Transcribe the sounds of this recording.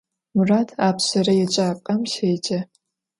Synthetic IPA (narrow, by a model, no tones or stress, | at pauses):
muraːtʰaːpʰɕɐrɐjɛt͡ʃʼaːpʼɐmʃejd͡ʒɐ